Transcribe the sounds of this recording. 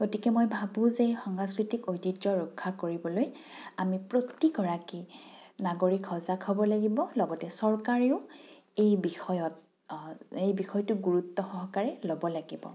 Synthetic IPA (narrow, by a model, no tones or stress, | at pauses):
ɡ̥otikɛmojbʱabũzexɔŋaskɹitikojtitɹɔɹɔkʰːakoɹibɔloj | amipɹotiɡɔɹakinaɡoɹikʰɔzakʰɔbɔlaɡibɔlɔɡɔtɛsɔɹkaɹeʊ | ejbixɔjɔt̚ | ejbixɔjtʊɡuɹutːɔxɔɦɔkaɹɛlɔbɔlaɡibɔ̰